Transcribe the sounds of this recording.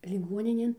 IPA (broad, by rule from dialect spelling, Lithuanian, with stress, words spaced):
lʲɪˈɡuɔnʲɪnʲeːn